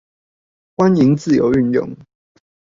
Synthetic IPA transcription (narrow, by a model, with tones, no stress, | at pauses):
kwa˦ni˨˦ŋt͡sɹ̩˥˨jo˨˦ʊy˥˨njʊ̰˥˨ŋ